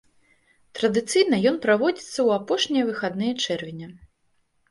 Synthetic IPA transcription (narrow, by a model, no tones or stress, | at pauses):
t̪ɾɐd̪ɨt̪sɨjnɐjɔnpɾavɔd͡zʲit̪sːɐwapɔʂnʲijɐvɨxad̪nɨjɐt͡ʂɛrvʲinʲɐ